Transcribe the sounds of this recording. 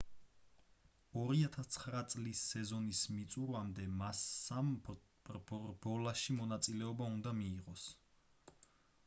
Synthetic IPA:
ɔɾiat̪ʰast̪sʰχɾat̪sʼlisːɛzɔnismit̪sʼuɾamd̪ɛmasam | bɔlaʃimɔnat̪sʼilɛɔbaund̪amiːʁɔs

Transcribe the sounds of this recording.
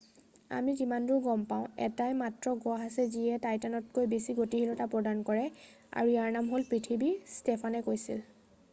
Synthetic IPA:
a̰mitimandʊɹɡɔmpaʊ̃ɛ̰tajmatɹɔɡɔaɦasɛziɛtajtanɔt̚kojbesiɡotiɦilɔtapɹɔdankɔɹɛ | a̰ɹuijaɹnamɦolpɹitʰibistɛpʰanɛkojsḭl

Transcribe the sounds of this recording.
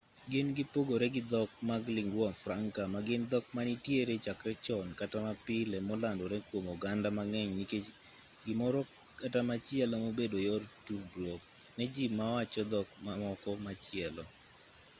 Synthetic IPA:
ɡɪnɡɪpoɡoɾɛɡɪd̪ɔk̚maɡlɪŋɡwɔfɾaŋkamaɡɪnd̪ɔk̚manitjeɾet͡ʃakɾɛt͡ʃɔnkatamapɪlɛmolandɔɾɛkwomoɡandamaŋɛɲnike | ɡɪmɔɾɔ | katamat͡ʃɪɛlamobedojɔrtuɡlɔk | nɛd͡ʒimawat͡ʃɔd̪ɔkmamɔkɔmat͡ʃɪɛlɔ

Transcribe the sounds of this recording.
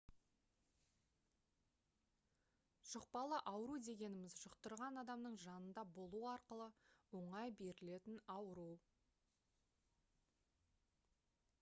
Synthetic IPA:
ʒ̥ʊq̚pɑlˠəʔɑwəɾud̪e̞ɡʲe̞nɪmɪzʒʊqt̪əɾʁɑnɑd̪ɑmnəɴʒɑnənd̪ɑbo̞lˠuɑɾqəlˠəwo̞ɴɑjbe̞ɾɪle̞t̪ɪnɑwɾu

